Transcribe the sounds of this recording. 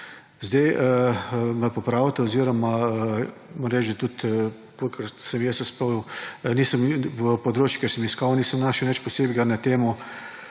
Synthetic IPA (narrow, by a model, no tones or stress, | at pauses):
zd̪ajəmɛpɔpɾaːwt̪ɛɔziːɾɔma | moɾɾɛd͡ʒd̪at̪ut̪ | polkəɾsəmjɛsɛsponiːsəmʋəpɔd̪ɾoːt͡ʃjukɛɾsəmiskawniːsəmnaːʃɛwnɛt͡ʃpɔseːbɡanat̪eːmu